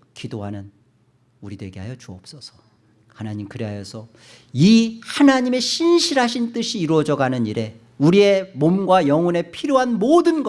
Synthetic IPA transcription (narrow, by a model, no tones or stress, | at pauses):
kidoɦanɯn | uɾidoeɡe̞ɦajʌt͡ɕuʌp̚s͈ʌsʰʌ̥ | hanaɲimkɯɾeɦajʌsʰʌ | ihanaɲime̞ɕʰinɕʰiɾɦaɕʰint͈ɯɕʰiːɾwʌd͡ʑʌɡanɯniɾe̞ | uɾie̞momɡwajʌŋʌne̞pʰiɾjoɦanmodɯnɡʌ